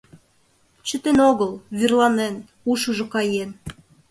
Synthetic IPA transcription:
t͡ɕə̆t̪enoɣəlˠβyrlˠɑnen | uʃuʒŏkɑjen

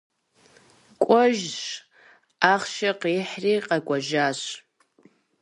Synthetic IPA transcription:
kʷʼʊʒʂ | aχʃaqiħriqʼakʷʼaʒaʃʷ

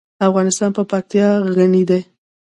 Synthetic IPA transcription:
afɣɑnɪst̪ɑnpəpak̚t̪jɑɣənid̪e

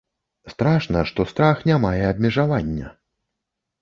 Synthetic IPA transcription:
st̪ɾaʂnɐʂt̪ɔst̪ɾaxnʲamajɛab̪mʲɛʐavanʲːɐ̰

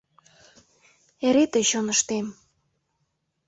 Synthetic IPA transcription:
eɾet̪əɕonəʃt̪em

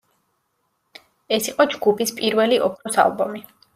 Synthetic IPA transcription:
ɛsiqʼɔd͡ʒɡupʰispʼiɾvɛliʔɔpʰɾɔsa̰lˠbɔmi

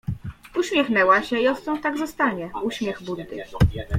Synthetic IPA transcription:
uɕmʲjɛxnɛwaɕɛiɔst̪ɔ̃wt̪aɡzɔst̪aɲɛuɕmʲjɛɣbund̪ɘ

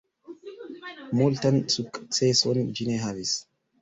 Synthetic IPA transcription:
mult̪ansukʼːt͡sesɔnd͡ʒineɦavis

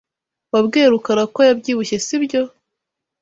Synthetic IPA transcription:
wabɡeːɾukaɾakojabɟiːβuçe̞sibjo̞

